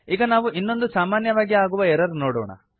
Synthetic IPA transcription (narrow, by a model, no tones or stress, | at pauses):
iːɡɐnaːʋuʔinːo̞nd̪usaːmaːnjɐʋaːɡiaːɡuʋɐɛɾɐɾunoːɽɔ̰ːɳɐ̰